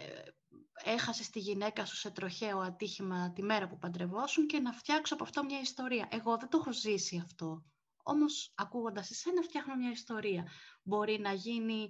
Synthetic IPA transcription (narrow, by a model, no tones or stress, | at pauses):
e̞xɐsest̪iʝine̞kɐsu̥se̞t̪ɾo̞çe̞oɐt̪içimɐt̪ime̞ɾɐpupɐnd̪ɾe̞vo̞suɲce̞nɐft̪çɐkso̞ɐpoɐft̪o̞mɲɐist̪o̞ɾiɐʔe̞ɣo̞ðet̪oxozisiɐft̪o̞ | o̰mo̞sɐkuɣo̞nd̪ɐsese̞nɐft̪çɐxno̞mɲɐist̪o̞ɾiɐbo̞ɾinɐʝini